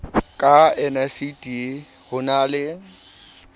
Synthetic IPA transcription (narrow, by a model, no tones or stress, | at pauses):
kʼaɛnasitʼi | hʊnaːlɪ